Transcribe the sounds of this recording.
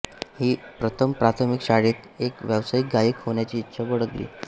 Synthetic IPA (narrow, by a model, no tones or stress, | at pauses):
hiːpɾət̪ʰəmpɾat̪ʰəmikɕaɽit̪ekʋjaʋsaik̚ɡaiːkɦoɳjat͡ɕiːt̪ːɕʰabəɽət̪lḭː